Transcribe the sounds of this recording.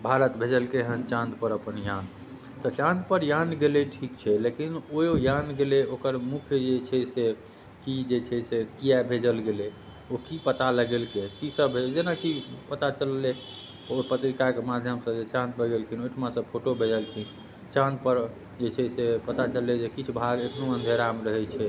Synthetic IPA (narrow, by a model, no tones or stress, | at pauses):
bʱaɾət̪bʱed͡ʒəlkeɦənt͡ʃãnd̪pəɾəpənjan | t̪ɔt͡ʃãnd̪pəɾjanɡeleʈʰikt͡ʃʰɛlekinojojanɡeleokəɾmukʰjd͡ʒet͡ʃʰɛse | kid͡ʒet͡ʃʰɛsekijabʱed͡ʒəlɡele | okipət̪aləɡelkekisəbʱed͡ʒenakipət̪at͡ʃəlːe | opət̪ɾikakemad̪ʱjəmsə̃d͡ʒet͡ʃãnd̪̚bʱəɡelkʰinoʈʰmãsəbpʰoʈobʱed͡ʒəlkʰin | t͡ʃãnd̪pəɾ | d͡ʒet͡ʃʰɛsepət̪at͡ʃəlːed͡ʒekit͡ʃʰbʱaɡesʰnoənd̪ʱeɾamɾəɦɛt͡ʃʰɛ